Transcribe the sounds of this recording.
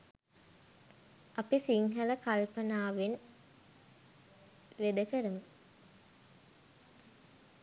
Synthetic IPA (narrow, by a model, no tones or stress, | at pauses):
apisiŋɦələkalpənaːʋen | ʋed̪əkəɾəmə